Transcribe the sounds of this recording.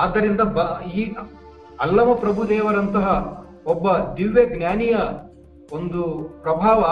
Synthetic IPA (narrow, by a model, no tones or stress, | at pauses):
aːd̪ːɐɾind̪ɐbɐiː | ɐlːɐmɐpɾɐbʱud̪ɛːʋɐɾɐnt̪ɐɦɐ | ɔbːɐd̪iʋːeɡnjaːnijɐ | ond̪upɾɐbʱaːʋɐ